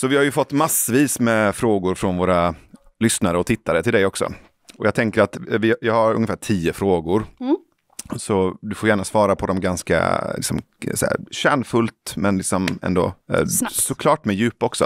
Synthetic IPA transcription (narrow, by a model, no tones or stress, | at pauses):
sɔvɪhaɾjɵfɔt̪ːmasəviːsmɛfɾoːɡʊɾfɾɔnvoːɾa | lʏsnaɾəɔt̪ʰɪt̪ːaɾət̪ɪld̪ɛjɔksɔ̰ | ɔjɑːɡ̚t̪ʰɛŋkəɾat̪vɪjɑːhaɾɵ̰ŋːəfæːʈʰiːəfɾoːɡʊɾ | sɔd̪ɵfoɾjæːɳasvɑːɾapʰɔd̪ɔmɡanska̰lɪ̰ksɔm | sæ̰ɕæːɳfɵlt̪mɛnlɪksɔmɛ̰nd̪o̰ː | sɔkʰlɑːʈmɛjʉ̟ːpːɔksɔ̰